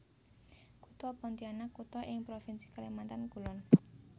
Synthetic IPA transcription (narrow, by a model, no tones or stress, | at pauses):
kut̪ɔpɔnt̪ianakut̪ɔʔɪŋpɾofinsi̥kalemant̪ankulɔn